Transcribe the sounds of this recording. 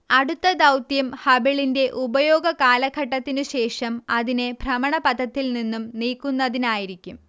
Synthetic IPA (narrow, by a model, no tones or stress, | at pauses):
ɐɽut̪ːɐd̪ɐwt̪jɐmhɐbiɭinde̞ʔubɐjoːɡɐkaːlɐɡʱɐʈːɐt̪ːinɨɕe̞ːʂɐmɐðine̞bʱrɐmɐɳɐpɐd̪ʱɐt̪ːilninːumniːkːunːɐðinaːjiɾikʲːum